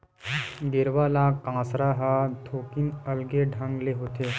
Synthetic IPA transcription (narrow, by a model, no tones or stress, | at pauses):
ɡɪɾʋaːlãkãːsɾaɦat̪ʰoːkinəlɡeɖʱə̃ŋɡleɦot̪ʰe